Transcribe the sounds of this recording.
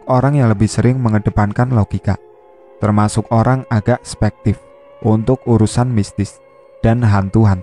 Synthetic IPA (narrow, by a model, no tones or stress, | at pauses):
koɾaŋjaŋləbɪhsəɾɪŋməŋəɖ̥əpankanloɡ̥ika̰ | t̪ərmasʊkoɾaŋaɡ̥aʔspɛk̚t̪ɪf | ʔunt̪ʊkuɾusanmist̪ɪs | d̥anɦant̪uɦan